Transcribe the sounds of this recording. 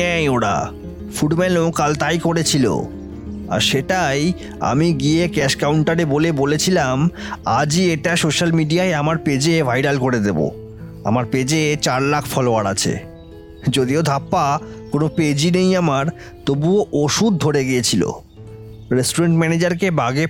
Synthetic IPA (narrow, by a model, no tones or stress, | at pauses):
ɛoɽa̰ | fuɖmɛnokalt̪ajkoɽet͡ɕʰilo̰ | a̰ɾʃeʈaj | a̰miɡiekɛʃkawɳʈaɾebolebolet͡ɕʰilamad͡ʑieʈasoʃalmiɖiaeamaɾped͡ʑebʱajɾalkoɾed̪ebo̰ | a̰maɾped͡ʑet͡ɕaɾlakʰfɔloaɾa̰t͡ɕʰḛ | d͡ʑod̪iod̪ʱapːakonoped͡ʑinejamaɾ | t̪obuoʔoʃud̪̚dʱoɽeɡiet͡ɕʰilo̰ | ɾesʈuɾeɳʈmɛned͡ʑaɾkebaɡe